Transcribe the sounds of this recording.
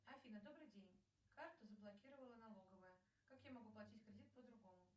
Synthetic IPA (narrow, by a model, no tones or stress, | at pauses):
ɐfʲinəd̪obɾɨjdʲenʲ | kart̪ʊzəblˠakʲiɾəvəlˠənalˠoɡəvəjə | kakjamɐɡuplˠɐtʲitʲkɾʲɪdʲit̪̚pəd̪ɾʊɡomʊ